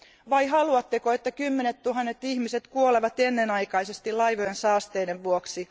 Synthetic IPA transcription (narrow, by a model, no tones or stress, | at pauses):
ʋɑihɑluɑt̪ːekoet̪ːækymːenet̪t̪ːuhɑnːet̪ːihmiset̪kuoleʋɑt̪enːenɑikɑisest̪ilɑiʋojensɑːst̪eːdeʋʋuoksi